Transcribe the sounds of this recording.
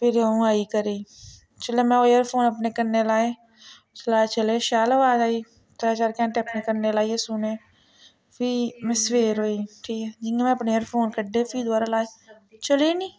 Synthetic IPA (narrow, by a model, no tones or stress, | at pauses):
pɪɾaõaːikəɾeː | t͡ʃəlemɛ̃ːoːjəɾfʰoːnəp̬nekəɾnelaːeː | t͡ʃəlaːt͡ʃəleːʃaːləaːd͡ʒaːiː | t̪əɾaːt͡ʃaːɾkɛ̃ːɳʈeɐpnekəɾnelaːiesʊnẽː | fiːmɛ̃sʋeːɾɦoːiːʈʰiːkɛːd͡ʒɪŋɡemɛ̃ɐpneːəɾfʰoːnkəɖefʰiːd̪aːɾalaːe | t͡ʃəlenĩː